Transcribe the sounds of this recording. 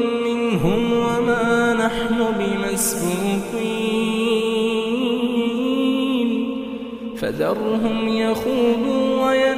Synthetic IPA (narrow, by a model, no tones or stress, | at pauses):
mɪnɦʊmwamaːnaħnʊbɪmasbuːki | n | fa̰d̪ɑɾˤːʊɦʊmjaxuːd̪uːwaja